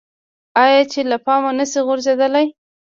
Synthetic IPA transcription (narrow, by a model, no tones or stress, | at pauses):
ɑjɑt͡ʃelapɑmanəsiɣʊɾzed̪əlaj